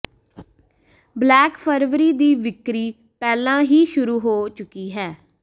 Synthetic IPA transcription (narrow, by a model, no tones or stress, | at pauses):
blɛːkpʰəɾʋɾiːd̪iːʋɪkɾiː | pɛːlãːɦiːʃʊɾuːɦoːt͡ʃʊkiːɦɛː